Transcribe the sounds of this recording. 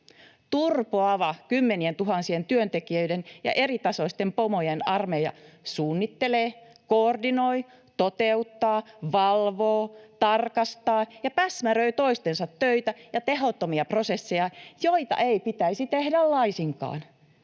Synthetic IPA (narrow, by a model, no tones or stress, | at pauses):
t̪urpoɑʋɑkymːenient̪uɦɑnsient̪yønt̪ekiøidenjɑ̰ʔerit̪ɑsoist̪empomojenɑrmejɑ̰suːnːit̪ːeleː | koːrdinoi | t̪ot̪eut̪ːɑːʋɑlʋoːt̪ɑrkɑst̪ɑːjɑpæsmærøit̪oist̪ensɑt̪ːøit̪æjɑt̪ehot̪ːomiɑprosesːejɑjoit̪ɑ̰ʔeipit̪æisit̪ehdællɑisiŋkɑ̰ːn